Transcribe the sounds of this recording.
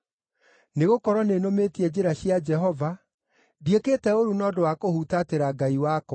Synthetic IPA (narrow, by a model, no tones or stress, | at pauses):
neɣokɔɾwɔnenometiɛd͡ʑeɾaɕiad͡ʒɛɦɔva | diekeːtɛoɾunɔdowakohutateɾaɡaiwaːkɔ